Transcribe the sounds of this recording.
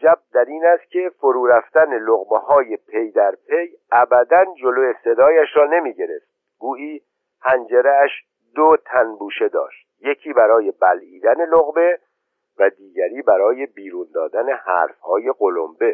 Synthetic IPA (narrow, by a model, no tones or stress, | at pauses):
d͡ʒæb̚d̪æɾiːnæst̪̚cʰe̞foɾuːɾæft̪æne̞loɣbehɒːje̞pʰe̞jd̪æɾpʰe̞j | ʔæbæd̪ænd͡ʒo̞loje̞se̞d̪ɒːjæʃɾɒːne̞miːɟe̞ɾe̞ft̪̚ | ɡuːʔiː | hænd͡ʒeɾeæʃ | d̪ot̪ʰænbuːʃe̞d̪ɒ̰ːʃt̪̚je̞cʰiːbæɾɒːje̞bæliːd̪æne̞loɣbe̞ | væd̪iːɟæɾiːbæɾɒːje̞biːɾund̪ɒːd̪æne̞hæ̰ːɾfhɒːje̞ɡo̞lo̰mbe̞